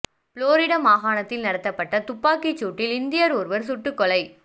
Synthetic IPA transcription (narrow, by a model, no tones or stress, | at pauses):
floːɾɪɽɐmaːɣaːɳɐt̪ːɪlnɐɽɐt̪ːɐpːɐʈːɐt̪ʊpːaːkit͡ʃːuːʈːɪlɪnd̪ɪjɐɾɔːɾɯʋɐɾsʊʈːɯkːɔlɐɪ